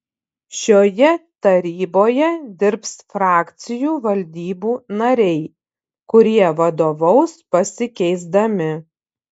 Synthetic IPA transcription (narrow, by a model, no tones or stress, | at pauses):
ʃʲoːjɛt̪ɐɾʲiːboːjɛd̪ʲɪɾpsfɾɑːkʲt̪sʲɪjuːʋɐlʲd̪ʲiːbuːnɐɾʲɛɪ | kʊɾʲiɛʋɐd̪oːʋɒʊspɐsʲɪkʲɛɪzd̪ɐmʲɪ